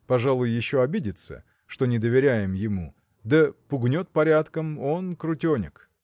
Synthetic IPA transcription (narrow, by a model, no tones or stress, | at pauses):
pɐʐalˠʊjjɪɕːo̞ɐbʲidʲɪt̪sə̰ | ʂt̪o̞nʲɪd̪əvʲɪɾʲæjɪmjɪmu | d̪əpʊɡnʲo̞t̪̚pɐɾʲat̪kəmo̞nkɾʊtʲonʲɪ̰k